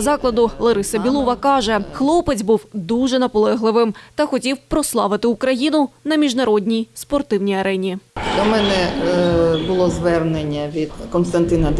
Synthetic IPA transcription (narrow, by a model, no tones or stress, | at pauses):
zɑklˠɐd̪ʊlˠɐɾɪsɐbʲilˠɔʋɐkɑʒɛxlˠɔpɪt͡sʲbuwd̪uʒɛnɐpɔlˠɛɦlˠɪʋɪmt̪ɐxɔtʲiwpɾɔslˠɑʋɪt̪ɪukɾɐjinʊnɐmʲiʒnɐɾɔdʲnʲijspɔrt̪ɪwnʲijɐɾɛnʲid̪ʲɔmɛnɛ | bʊlˠɔzʋɛrnenʲːɐʋʲid̪̥kɔnst̪ɐnt̪ɪnɐ